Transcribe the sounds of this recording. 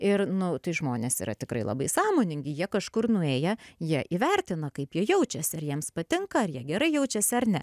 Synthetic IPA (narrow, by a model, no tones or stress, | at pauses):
ɪrnʊt̪ɐɪʒmoːnʲeːsḭːɾɐ̰t̪ʲɪkɾɐ̰ɪlˠɐ̰bɐɪsɑːmoːnʲɪŋʲɡʲɪjiɛkɐʃkʊrnʊeːjɛjiɛʔiʋʲɛɾʲt̪ʲɪnɐkɐɪpjiɛjɛʊt͡ʃʲɛsʲɐɾjiɛmspɐt̪ʲɪŋkɐɐrjiɛɡʲɛɾɐɪjɛʊt͡ʃʲɛsʲɐɾnʲɛ